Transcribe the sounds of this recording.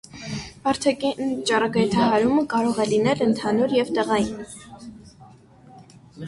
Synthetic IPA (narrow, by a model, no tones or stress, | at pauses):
vɑɾt̪ʰɛkit͡ʃɑrɑɡɑjt̪ʰɑɦɑɾuməkɑɾɔʁɛlinɛlənt̪ʰɑnuɾjɛvt̪ɛʁɑjin